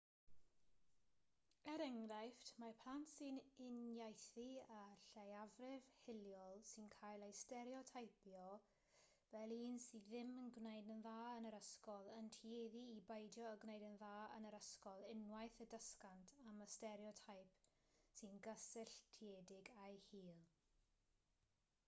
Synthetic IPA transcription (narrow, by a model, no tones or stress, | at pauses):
ɛɾɛŋɾajftʰmapʰlˠantsɨnɪnjajθiaɬejavrɪvhɪlˠjɔlˠsɨnkʰaːjlˠejstɛɾiɔtʰajpʰjɔ | vɛlˠiːnsiðɪmənɡwnejdənðaːənəɾəskɔlˠəntʰieðiːbejdjɔəɡwnejdənðaːə̰nəɾəskɔlˠɪnwajθədəskantʰaməstɛɾjɔtʰajp | sɨnɡəsɪɬtʰiedɪɡajhiːlˠ